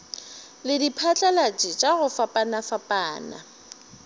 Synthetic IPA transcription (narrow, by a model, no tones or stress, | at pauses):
lɪdipʰat͡ɬʼalat͡ʃʼit͡ʃʼaɣʊfapʼanafapʼaːna̰